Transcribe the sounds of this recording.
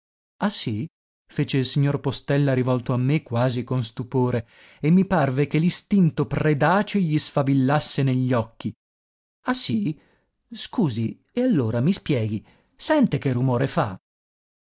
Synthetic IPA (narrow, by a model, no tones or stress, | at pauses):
asːi | feːt͡ʃeilsiɲːorpost̪ɛlːaɾivɔlt̪oamːekːwaːzikonst̪upoːɾeː | mːiparvekelist̪int̪opred̪aːt͡ʃeʎisfavilːasːeneʎːɔkːi | asi | skuːzi | ealːoːɾamispjɛːɡi | sɛnt̪ekerːumoːɾefa̰